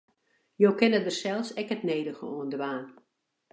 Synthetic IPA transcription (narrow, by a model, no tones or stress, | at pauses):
joːkɪnət̚dərsɛlˠsɛkətneːdəɣə̰oəndəʋaːn